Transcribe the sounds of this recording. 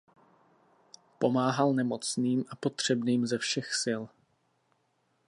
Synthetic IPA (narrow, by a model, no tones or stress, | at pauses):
po̞maːɦalnɛmo̞t͡sniːmʔapo̞t̪r̝̥ɛbniːmzɛfʃɛxsɪl